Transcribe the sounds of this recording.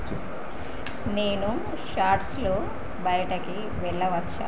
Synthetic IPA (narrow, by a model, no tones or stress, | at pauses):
neːnu | ʃaːɾʈsloː | bɐjɐʈɐki | ʋɛɭːɐʋɐt͡ʃːa̰ː